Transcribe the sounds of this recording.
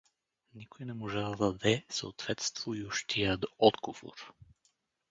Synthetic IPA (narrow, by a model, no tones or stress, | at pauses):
nikojnɛmoʒɛd̪ɐd̪ɐd̪ɛsəot̪v̥ɛt̪st̪voioʃt̪ʰiəd̪ɔd̪ɡov̥o̰ɾ